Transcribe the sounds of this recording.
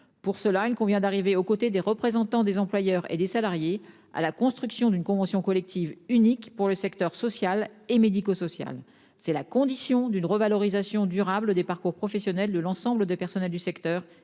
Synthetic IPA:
puʁsəlailkɔ̃vjɛ̃d̪aʁiveokot̪ed̪eʁəpχezɑ̃t̪ɑ̃d̪ezɑ̃plwajœʁḛd̪esalaʁje | a̰lakɔ̃st̪χyksjɔ̃d̪ynkɔ̃vɑ̃sjɔ̃kɔlɛk̚t̪ʰivynikpuʁləsɛkt̪œʁsɔsjalemed̪ikosɔsja̰l | sɛlakɔ̃d̪isjɔ̃d̪ynʁəvalɔʁizasjɔ̃d̪yʁabləd̪epaʁkuʁpχɔfɛsjɔnɛld̪əlɑ̃sɑ̃bləd̪epɛʁsɔnɛld̪ysɛkt̪œːʁ

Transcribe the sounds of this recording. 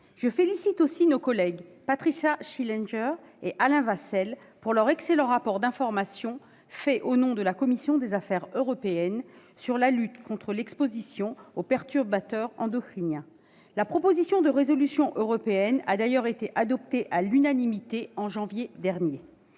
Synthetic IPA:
ʒəfelisit̪osinokɔlɛɡpat̪χiʃaʃilɛ̃nʒɛʁ | eʔalɛ̃vasɛl | puʁlœʁɛkselɑ̃ʁapɔʁd̪ɛ̃fɔʁmasjɔ̃ | fɛʔonɔ̃d̪əlakɔmisjɔ̃d̪ezafɛʁøʁɔpeɛnsyʁlalyt̪kɔ̃t̪χəlɛkspozisjɔ̃opɛʁt̪yʁbat̪œʁɑ̰̃d̪ɔkχinjɛ̃ | lapχɔpozisjɔ̃d̪əʁezɔlysjɔ̃ʔøʁɔpeɛna̰d̪ajœʁet̪eʔad̪ɔp̚t̪eʔalynanimit̪eɑ̃ʒɑ̃vjed̪ɛʁnje

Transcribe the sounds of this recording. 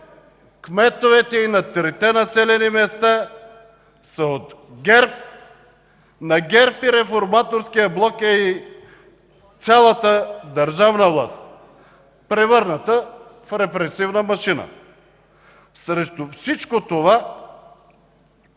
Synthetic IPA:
kmɛt̪ovɛt̪ɛinɐt̪ɾit̪ɛnɐsɛlɛnimɛst̪a | səot̪ɡɛɾp̚ | nɐɡʲɛɾpiɾɛfoɾmat̪oɾsk̟ijəblˠɔkɛi | t̪sʲalˠət̪əd̪əɾʒavnəvlˠa̰st̪ | pɾɛvɤɾnət̪əfɾɛpɾɛsivnəmɐʃinə̰ | sɾɛʃt̪ofsit͡ʃkot̪ova

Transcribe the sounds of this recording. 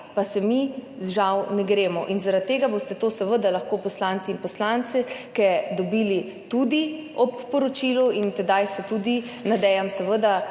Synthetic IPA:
pasɛmiʒawnɛɡɾeːmɔʔinzaɾat̪ːeːɡabost̪ɛt̪osɛʋəd̪alaxkopɔslant̪siːnpɔslant̪sɛkɛd̪ɔbili | t̪ud̪iɔpːɔɾɔt͡ʃiluint̪ɛd̪ajsɛt̪ud̪inad̪ɛjamsɛʋəd̪a

